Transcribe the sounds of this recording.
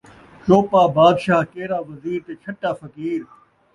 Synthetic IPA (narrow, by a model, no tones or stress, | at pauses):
t͡ʃoːpaːbaːd̪ʃaːɦkeːɾaːʋɐziːɾt̪eːt͡ʃʰɐʈːaːfɐkiːɾ